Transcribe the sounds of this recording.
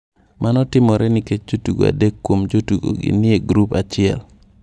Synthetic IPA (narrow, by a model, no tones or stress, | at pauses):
mʔanɔtɪmɔɾʔɛniket͡ʃ̚d͡ʒotuɡo̰a̰dekːwomd͡ʒotuɡo̰ɡɪ̰nieɡɾupat͡ʃɪɛ̰l